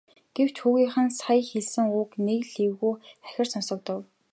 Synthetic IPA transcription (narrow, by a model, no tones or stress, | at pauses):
ɡ̥ew̥t͡ɕxuːɣiːχə̆nsajxeɮsɘ̆ŋʊːknekɮiwɣuːæ̥xʲɪ̆rsɔnsɞ̆k̚t̪ə̆w